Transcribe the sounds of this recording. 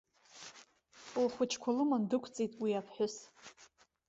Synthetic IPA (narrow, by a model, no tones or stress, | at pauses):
ulχʷʊt͡ʃʰkʷʰalɨmandɨkʷʰt͡sʼitʼwiapʰħʷᶣʊs